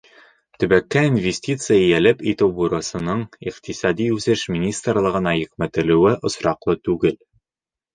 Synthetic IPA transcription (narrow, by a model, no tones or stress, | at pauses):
t̪ɵ̆bækːæinvʲesʲtʲit̪sɨjaijælɘpit̪ɘwbuɾɤ̆sɤ̆nɤɴiqt̪isɑd̪iʉzɘʃmʲinʲist̪rlˠɤ̆ʁɤ̆nɑjɘ̆qmæt̪ɘ̆lɘ̆wɘʔŏsɾɑqlˠɤt̪ʉɡɘl